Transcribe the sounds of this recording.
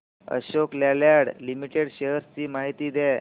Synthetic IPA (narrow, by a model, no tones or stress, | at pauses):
ə̰ɕoklaljaɽlimiʈeɽɕeɦəɾt͡ɕiːmaɦit̪iːd̪ɛ